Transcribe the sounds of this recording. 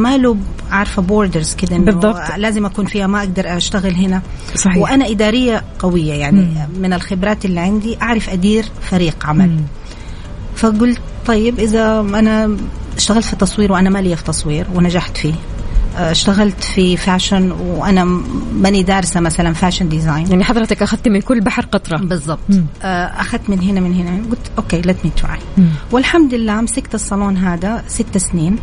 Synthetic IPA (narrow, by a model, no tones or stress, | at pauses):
maluː | ʕaʕɾˤfaboːɾd̪aɾz̥kɪd̪aʔɪnːbˤːɑbtlaːzɪmʔakuːnfiːhamaʔaɡ̚d̪ɑɾˤʔaʃt̪aɣɪlɦɪna | sˤɑwɪʔanaʔɪd̪aːɾɪjːaqɑwɪjːajaʕnimɪnɪlxɪbɾɑːt̪ɪlːiʕɪnd̪iʔaʕɾˤɑfʔad̪iːɾfaɾiːɡʕamali | faɡʊlt̪t̪ˤːɑjːɪbʔɪðaʔanaʃt̪aɣalt̪fit̪ːɑsˤwiːɾwʔanamalijːafi̥t̪ɑsˤwiːɾwɪnad͡ʒaħt̪fiː | ɪʃt̪aɣalt̪fifaːʃanwʔanamanid̪aːɾsamasalanfaːʃɪnd̪ɪzaːjnjaʕniħɑðˤɾɑt̪akʔaxaðt̪mɪnkʊlːbaħɾqɑt̪ˤɾˤɑbɨzˤːɑb̚t̪ˤʔʔaxad̪̚t̪mɪnɦɪnamɪnhɪnaɡʊlt̪ʔoːkeːlat̪mit̪ʕa̰jwɪlħamd̪ɪlːaːmsɪkt̪ɑsˤːɑloːnɦaːd̪asɪt̪ːasniːn